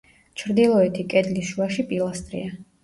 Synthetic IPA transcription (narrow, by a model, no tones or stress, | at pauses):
t͡ʃʰɾd̪ilˠɔɛt̪ʰikʼɛd̪lisʃuaʃipʼilˠast̪ʼɾḭa